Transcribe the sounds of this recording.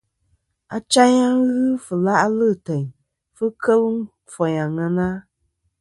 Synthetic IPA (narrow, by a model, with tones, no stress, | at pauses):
a̰˨t͡ʃa˦ɲa˦ŋɣɨ˦fɨ˨la˦ʔlɨ˦˨tɛ˨ɲ | fɨ˦kə˦lɨ˦ŋ | fɔ˨ɲa˨ŋə˨na˦